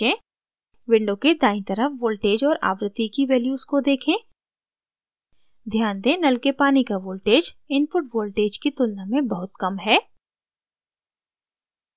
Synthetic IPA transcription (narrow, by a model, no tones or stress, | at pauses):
ẽː | ʋɪ̃ɳɖõked̪aːɪ̃t̪əɾəfʋoːlʈeːd͡ʒɔːɾa̰ːʋɾɪt̪ːikiʋɛːljuːzkod̪eːkʰẽː | d̪ʱjaːnd̪ẽːnɐlkepaːnikaʋoːlʈeːd͡ʒɪnfʊʈʋoːlʈeːd͡ʒkit̪ʊlnamẽbɐɦʊt̪kɐmɦɛː